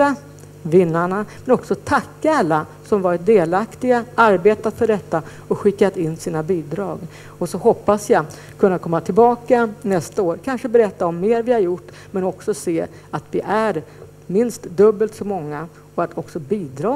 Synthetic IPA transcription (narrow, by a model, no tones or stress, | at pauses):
a | vɪnːaɳamɛnɔksɔt̪ʰakːaalːa | sɔmvɑɾɪt̪̚d̪eːlakt̪ɪɡaaɾbeːt̪at̪fœɖɛt̪ːa | ɔɧɪkːat̪ɪnːsiːnabiːd̪ɾɑːɡ | ɔsɔhɔpːasjɑ | kʰɵnːakʰɔmːat̪ʰɪlbɑːkanɛst̪aoːɾkʰanʂəbɛɾɛt̪ːaɔmːeːɾvɪhaɾjʊʈː | mɛnɔksɔseː | at̪vɪʔæɾ | mɪnst̪d̪ɵbːəlt̪sɔmɔŋːa | ɔat̪ʰɔksɔbiːd̪ɾɑː